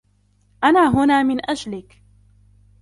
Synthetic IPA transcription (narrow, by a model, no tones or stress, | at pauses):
ʔanaːɦʊnaːmɪnʔad͡ʒlɪk